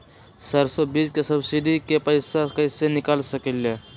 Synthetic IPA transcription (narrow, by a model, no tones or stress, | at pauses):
səɾsobiskesɐbsiɖikepɐɪsakəsenɪkalsəkele